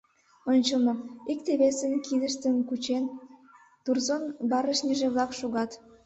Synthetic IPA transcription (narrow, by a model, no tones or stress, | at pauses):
onʲt͡ɕəlnɤikt̪eβesənkʰid̪əʃt̪ənkut͡ɕen | t̪urzonbɑɾəʃnʲiʒeβlɑkʃoɣɑt̪